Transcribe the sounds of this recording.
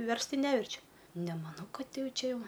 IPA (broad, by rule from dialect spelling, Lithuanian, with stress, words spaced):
ˈʋʲɛrst ˈtɐɪ ˈnʲæːʋʲɛrʲt͡ʃʲʊ nʲɛmɐˈnɐʊ ˈkɐt ˈjɛʊ ˈt͡ʃʲɛ ˈjɛʊ